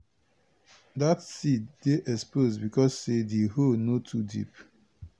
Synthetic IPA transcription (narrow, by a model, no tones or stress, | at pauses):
datsiddeʔɛspozbikɔsːedeɦonotʰudḭp